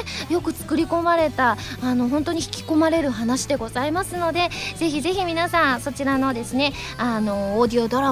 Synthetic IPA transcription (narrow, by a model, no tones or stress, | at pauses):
jo̞kɯ̟t͡sɨ̥kɯ̟ɾʲiko̞maɾe̞t̪aːno̞ɦõ̞nt̪o̞ɲ̟içi̥kʲi̥ko̞maɾe̞ɾɯ̟ɦanaɕid̪e̞ɡo̞zaimasɨno̞d̪e̞ze̞çize̞çʲimʲinasãɰ̃so̞t͡ɕiɾano̞d̪e̞sɨne̞ | ano̞ːd̪ʲio̞d̪o̞ɾa